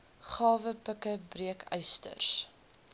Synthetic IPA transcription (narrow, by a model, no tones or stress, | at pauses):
χɑːvəpəkəbriəkʰœjstə̰rs